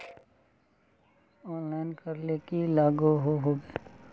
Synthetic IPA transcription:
ɔːnlaːɪnkɐɾlekilaːɡuɦoɦoːɡeː

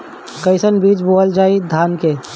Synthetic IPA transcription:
kəɪsənbiːt͡ʃboːəld͡ʒaːid̪ʱaːnke

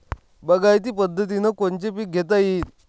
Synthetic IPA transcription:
bəɡajt̪̬iːpəd̪ʱːət̪̬inəkont͡ɕepiːk̚ɡʱet̪̬ajit̪

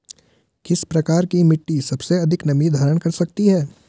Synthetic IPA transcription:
kɪspɾɐkaːɾkimɪʈːisɐbseɐd̪ʱɪknɐmid̪ʱaːɾəɽ̃kɐɾsɐk̚t̪iɦɛː

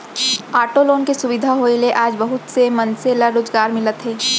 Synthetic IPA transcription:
aːʈoloːnkesʊʋɪd̪ʱaɦoeleʔaːd͡ʒbɐɦʊt̪semɐnselaɾoːzɡaːɾmɪlət̪ɦɛː

